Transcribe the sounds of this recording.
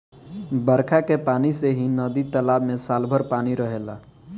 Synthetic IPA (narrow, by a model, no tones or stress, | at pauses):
bəɾkʰakepaːniseɦinəd̪it̪əlabmesalbʱəɾpaniɾəɦela̰